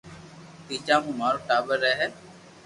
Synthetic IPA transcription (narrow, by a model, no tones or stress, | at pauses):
t̪iːt͡ʃãːɦũːmaːɾoːʈaːbəɾːɛːɦɛː